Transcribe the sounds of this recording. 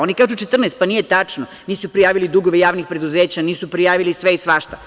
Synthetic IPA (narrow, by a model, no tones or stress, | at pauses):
onikaːʒut͡ʃet̪r̩nest̪panijet̪at͡ʃno | niːsupɾijaːʋilid̪uɡoʋejaːʋnixpɾe̞d̪uzeːt͡ɕaniːsupɾijaːʋilisʋeisʋaʃt̪a